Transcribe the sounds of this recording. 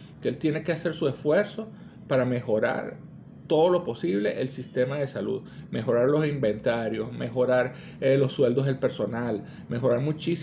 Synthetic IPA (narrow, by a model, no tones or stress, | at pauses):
keelt̪je̞ne̞ke̞ase̞ɾsuesfwe̞ɾso̞ | paɾame̞xo̞ɾa̰ɾ | t̪o̞ðolo̞po̞siβ̞le̞̰ʔelsist̪e̞maðe̞salṵðme̞xo̞ɾaɾlo̞simbe̞nt̪aɾjo̞sme̞xo̞ɾaɾ | elo̞sːwe̞ld̪oɦðe̞lpe̞ɾso̞nal | me̞xo̞ɾaɾmũt͡ʃis